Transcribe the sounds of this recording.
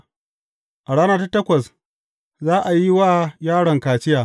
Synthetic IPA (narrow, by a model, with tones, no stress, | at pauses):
ʔa˨ɽaː˦naː˦ta˦tɐ˦kʷɐ˨s | zaː˦ʔa˨ji˦waː˦jaː˦ɽɐ˨ŋkaː˨t͡ʃɪ˦jaː˨